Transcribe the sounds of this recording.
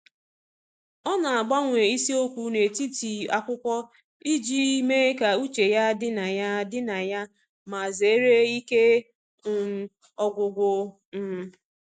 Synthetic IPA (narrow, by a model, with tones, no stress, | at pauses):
ɔ˦na˨a˨ɡ͡ba˦ŋʷe˨i˦si˦o˦kʷu˦ne˨ti˦ti˨a˨kʷʊ˦kʷɔ˦ | i˦d͡ʒi˦me˦ka˨u˦t͡ʃe˨ja˦dɪ˦na˨ja˦dɪ˦na˨ja˦ | ma˨ze˨˦ɾe˦i˦ke˦ | ŋʊ˨ | ɔ˨ɡʷʊ˨ɡʷʊ˨ | m̩˦